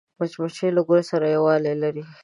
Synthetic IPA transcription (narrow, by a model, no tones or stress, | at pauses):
bɐt͡ʃmɐt͡ʃelɐɡʊɾesɐɾajɐwaːlelɐɾi